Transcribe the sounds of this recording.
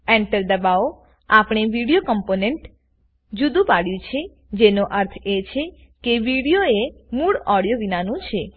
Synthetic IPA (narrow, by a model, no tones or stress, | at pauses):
ɛɳʈəɾd̪əbao | apɳ̃eʋiɽijokəmponeɳʈ | d͡ʒud̪ũpaɽjũt͡ʃʰe | d͡ʒenoʔəɾt̪ʰet͡ʃʰe | keʋiɽijoemuɭɔɽijoʋinanũt͡ʃʰe